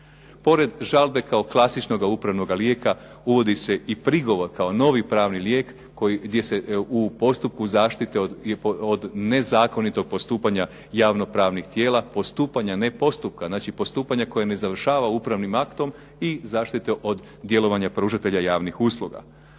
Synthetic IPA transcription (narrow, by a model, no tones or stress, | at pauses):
po̞ɾe̞d̪ʒalˠbe̞kao̞klˠasit͡ʃno̞ɡaupɾaʋno̞ɡalje̞ːka | uʋo̞d̪ise̞ipɾiɡo̞ʋo̞ɾkao̞no̞ʋipɾaːʋnilje̞ːkː | ojiɡd̪je̞se̞upo̞st̪up̚kuzaːʃt̪it̪eod̪ne̞zaːko̞nit̪o̞ɡ̚po̞st̪uːpaɲa | jaːʋno̞pɾaːʋnixt̪je̞ːlapo̞st̪uːpaɲane̞po̞st̪up̚kaznaːt͡ʃipo̞st̪uːpaɲako̞jane̞zaʋr̩ʃaːʋaupɾaʋnimakt̪o̞m | izaːʃt̪it̪e̞ʔo̞d̪ | d̪ːje̞lˠo̞ʋaɲapɾuːʒat̪e̞ʎajaːʋnixuslˠuɡa̰